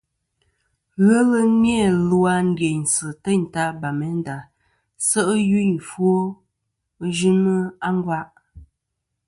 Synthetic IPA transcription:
ɣə˦lə˦mje˦˨lu˦a˦n̩˦dje˨n˨sə˨tə˦˨n̩˨ta˦ba˨mɛ˨˦n˦da˨ | sə˦ʔji˦ɲfwo˦ | ʒʉ˦nə˦a˦ŋ˦ɡwa˦ʔ

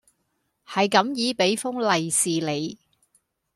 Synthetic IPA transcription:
hɐ˨jkɐ˨˥mjiː˨˧pe˨˥jfʊ˥ŋlɐ˨jsiː˨le˨˧j

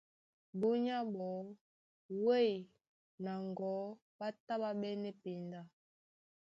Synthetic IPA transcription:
bu˦ɲa˦bɔ˨˦ | we˦i˨ | na˨ŋɡɔ˨˦ | ɓa˦ta˦ɓa˦ɓɛ˦nɛ˦pi˨nda˦˨

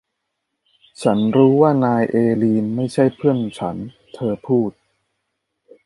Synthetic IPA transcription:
t͡ɕʰa˦˥nɾuː˦˥waː˥˩naː˧jʔeː˧liː˧nma˥˩jt͡ɕʰa˥˩jpʰɯ˥˩ənt͡ɕʰa̰˦˥n | t̪ʰɤː˧pʰuː˥˩t̪̚

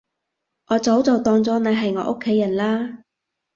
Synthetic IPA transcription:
ʔɔː˨˧˥t͡sɐ˨˥wt͡sɔ˨˩wt̪ɔː˧ŋt͡sɔː˨˥na˨˧˥ɦɐ˨jŋɔː˨˧ʔʊ˥kʰːe˨˥jːɐ˨˩nlaː˥

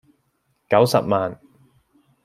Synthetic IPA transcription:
kɐ˨˥wsɐ˨p̚maː˨˩n

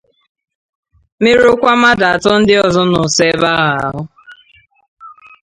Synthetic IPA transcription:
me˦ɾʊ˦kʷa˦ma˦da˨a˨tʊ˦n̩˦dɪ˦ɔ˨zɔ˦nʊ˨se˦ba˦ɣa˨a˨ɦʊ˦

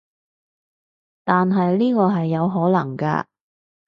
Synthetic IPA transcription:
t̪aː˨nɦɐ˨jliː˥kɔː˧ɦɐ˨jːɐ˨˧wɦɔː˨˥lɐ̰˨˩ŋka̰ː˧

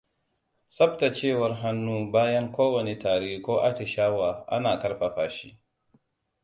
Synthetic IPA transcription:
sɐ˦bta˨t͡ʃeː˦˨wɐ˨rɦa˦nːuː˦baː˦jɐ˦ŋkʷoː˦wɐ˨ne˨taː˨ɽeː˦kʷoː˦ʔa˦tɪ˨ʃaː˦waː˨ʔa̰˦naː˨kɐ˦ɽɸa˨ɸaː˨ʃi˦

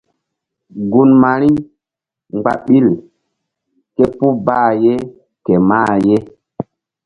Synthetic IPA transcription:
ɡu˨nma˨ɾi˦ | ŋɡ͡ba̰˨ɓi˦l | ke˦pu˦baː˦˨je˦ | ke˨ma˦˨je˦

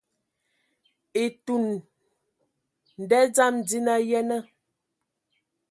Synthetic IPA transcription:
e˨tu˨n | n̩˨dɛ˦d͡za˦md͡zi˦na˦jɛ˦nə˦

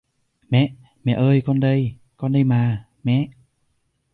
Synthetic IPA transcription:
mɛ̰˧˨ʔ | mɛ̰˧˨ʔəː˧jkɔ˧nɗə˧j | kɔ˧nɗə˧jmaː˨˩ | mɛ̰˧˥˨ʔ

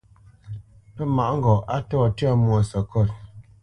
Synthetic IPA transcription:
pə˦ma˨ʔŋ̩˦ɡɔ˨ʔa˦tɔː˦˨tɥa˦˨mwɔ˨sə˨kɔ˦˨t̚

